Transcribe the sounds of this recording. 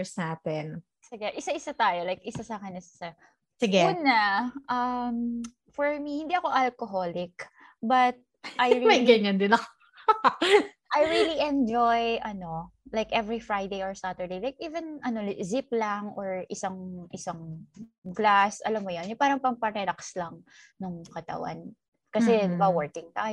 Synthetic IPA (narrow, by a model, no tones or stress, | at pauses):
saːpɛn | sɪɡɛʔɪsaʔɪsat̪aːjolajkʔɪsasaːkɛnɪsḁsɐ | sɪɡɛuːnaʔɐm | fɔɹmihɪnd̪iʔɐko̞ʔɐlkoɦo̞lɪk | bɐt̪̚ | ʔajɹimɐjɡɐjŋɐnd̪ɪnɐko | ʔajɹiliʔɛnd͡ʒojʔɐno̞lajkʔɛvɹifɹajd̪ejoɹsat̪əɹd̪ejlajk̚ʔiːvɛnʔɐno̞zip̚lɐŋʔoɹʔɪsaŋʔɪsaŋɡlasʔɐlamːojonjʊpaːɾɐŋpɐŋpɐɾɛlakslɐŋ | nɐŋkɐt̪ɐ̰wa̰n | kɐsɛbawɛɹkɪŋt̪aj